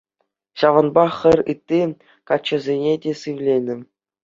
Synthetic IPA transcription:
ɕɑʋɤ̆nbɑxʲɘ̆rʲɯt̪ʲːi | kɑt͡ɕːɘ̆zʲenʲedʲesɯʋlʲenʲɘ̆

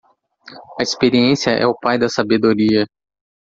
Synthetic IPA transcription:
ɐispeɾiẽsiɐʔɛ̰ʊpajd̪ɐsabed̪oɾiɐ

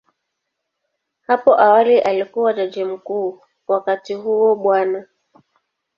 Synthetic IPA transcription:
hapɔʔawaliʔalikuwatad͡ʒɛm̩kuː | wakatihuwɔɓwana

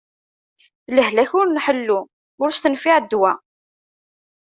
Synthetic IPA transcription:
θləɦlæçʊɾnħəlːu | ʊɾst̪ənfiʕd̪ːwæ

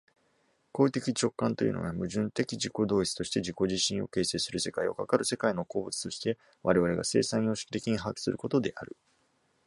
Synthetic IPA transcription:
ko̞ːit̪e̞kʲit͡ɕo̞kːãnt̪o̞jɯ̟̰no̰ɡamɯ̟ʑɨ̃nt̪e̞kʲid͡ʑiko̞d̪o̞ːit͡sɨ̥t̪o̞ɕi̥t̪e̞d͡ʑiko̞ʑiɕːĩɰ̃o̞ke̞ːse̞ːsɨɾɯ̟se̞kaio̞̰kakaɾɯ̟se̞kaino̞ko̞ːbɯ̟t͡sɨ̥t̪o̞ɕi̥t̪e̞ | βaɾe̞βaɾe̞ɡa̰se̞̰ːsãj̃jo̞ːɕi̥kʲi̥t̪e̞kʲiɲ̟iɦakʲi̥sɨ̰ɾɯ̟ko̞t̪o̞d̪e̞ʔa̰ɾɯ̟

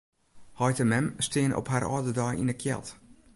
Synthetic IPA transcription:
hɔjtəmɛmstɪənɔ̰pharɔ̰ːdədɔjḭnəkʰjɛ̰lˠt

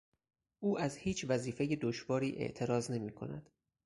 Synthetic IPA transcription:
ʔuːʔæzhiːt͡ʃʰvæziːfeje̞d̪oʃvɒːɾiːʔḛʔt̪ʰe̞ɾɒːzne̞miːkʰo̞̰næ̰d̪̥

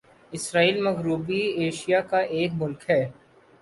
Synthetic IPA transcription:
ɪsɾaːiːlmɐɣɾuːbieːʃijakaʔeːkmʊlkɦɛː

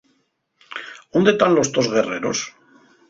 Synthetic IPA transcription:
ond̪et̪anlo̞st̪o̞zɣe̞re̞ɾo̞̰s

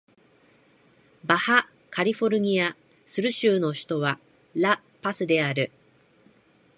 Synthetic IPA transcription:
baha | kʰaɾʲiɸo̞ɾɯ̟ɲ̟ia | sɨɾɯ̟ɕɨːno̞çi̥t̪o̞βa | ɾa | pasɨd̪e̞aɾɯ̟

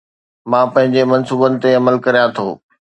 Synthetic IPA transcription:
mãːpɐ̃ɦɪ̃ɲd͡ʑemɐ̃nsuːbənɪ̆t̪eɐməlkɐɾijãt̪ʰoː

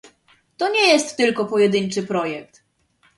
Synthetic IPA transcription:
t̪ɔɲɛjɛst̪ːɘlkɔpɔjɛd̪ɘɲt͡ʂɘpɾɔjɛk̚t̪

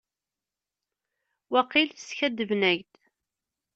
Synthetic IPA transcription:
wæqilθsçæd̪əvnæʝd̪

